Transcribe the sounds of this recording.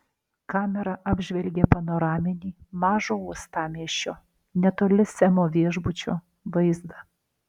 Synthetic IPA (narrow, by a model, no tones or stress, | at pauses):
kɑːmʲɛɾɐʔɑːbʲʒʲʋʲɛlʲɡʲepɐnoːɾɑːmʲɪnʲiːmɑːʒoːuɔst̪ɑːmʲiɛʃʲoː | nʲɛt̪oːlʲɪsʲɛmoːʋʲiɛʒbʊt͡ʃʲo̰ː | ʋɐɪzd̪ɐ